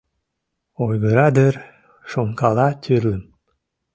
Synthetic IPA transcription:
ojɣəɾɑd̪ər | ʃoŋkɑlɑt̪ʰyɾlə̆m

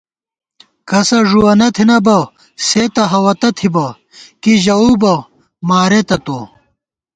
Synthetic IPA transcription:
kɐsɐʐuwɐnɐt̪ʰinɐbɐ | set̪ɐɦɐwɐt̪ɐt̪ʰibɐ | kiʑɐuːbɐ | maːɾet̪ɐt̪o

